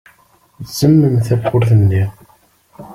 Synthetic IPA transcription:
zəmːəmθæfʊɾθənːi

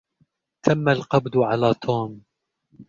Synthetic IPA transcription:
t̪ʰamːalqɑbd̪ʕalaːt̪ʰoːm

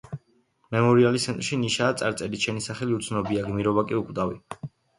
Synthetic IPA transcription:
mɛmɔɾialisʰɛnt̪ʼɾʃiniʃaːt̪sʼaɾt̪sʼɛɾit͡ʃʰɛnisaχɛliut̪sʰnɔbiaɡmiɾɔβakʼiukʼd̪awḭ

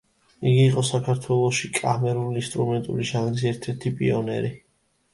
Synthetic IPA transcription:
iɡiːqʼɔsakʰaɾt̪ʰwɛlˠɔʃikʼamɛɾulinst̪ʼɾumɛnt̪ʼṵliʃanɡiziɛɾt̪ʰɛɾt̪ʰipʼiɔnɛ̰ɾi

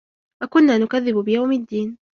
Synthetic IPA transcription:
wakʊnːaːnʊkaðːɪbbɪjawmad̪ːiːn

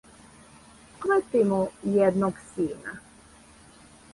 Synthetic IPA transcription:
kɾət̪imujɛd̪noɡsiːna

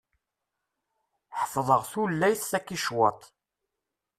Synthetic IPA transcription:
ħəfðˤəʁθulːæjθːækːiʃwɑt̪ˤ

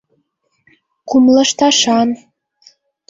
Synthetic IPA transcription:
kumlə̆ʃt̪ɑʃɑn

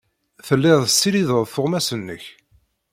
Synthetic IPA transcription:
θəlːɪʁðˤəsːiɾiðəʁˤθʊʁmæsənːə̰ç

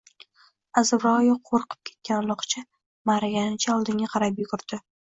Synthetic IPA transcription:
azɪvɾɒjɪqʰoɾqʰɨ̥p̚kʲʰe̞t̪̚kʲanlˠɒqt͡ʃʰa | maɾaɡʲanɪt͡ʃʰaɒlˠd̪ɪŋʲaqʰɑɾapjʊɡʊɾd̪̥ɪ

